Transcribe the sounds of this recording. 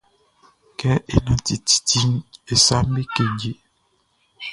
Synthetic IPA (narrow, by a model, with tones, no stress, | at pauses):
kɛ˦ḛ˨na˨ti˨ti̥˨ti˦ne˨sa˦mbe˦ke˨ɟe˨